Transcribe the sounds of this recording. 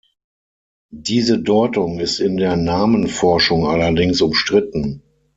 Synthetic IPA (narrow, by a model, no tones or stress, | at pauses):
diːzədɔɪtʊŋɪstɪndeːɐnaːmənfɔɐʃʊŋalɐdɪŋsʊmʃtʁ̥ɪtn̩